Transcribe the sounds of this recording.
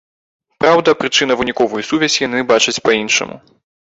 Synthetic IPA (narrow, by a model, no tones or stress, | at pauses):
pɾawd̪ɐpɾɨt͡ʂɨnɐvɨnʲikɔvujusuvʲɛzʲjanɨbat͡ʂɐt͡sʲpɐinʂɐ̰mṵ